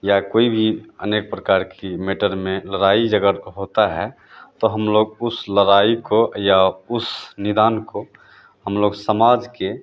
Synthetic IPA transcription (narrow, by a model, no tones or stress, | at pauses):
jakoːibʱiə̰neːk̚pɾəkaːɾkimeːʈəɾmẽləɾaːid͡ʒəɡəɾɦoːt̪aɦɛ | t̪oɦəmloːɡʊsləɾaːikojaʊsnɪd̪aːnko | həmloːɡsəmaːd͡ʒke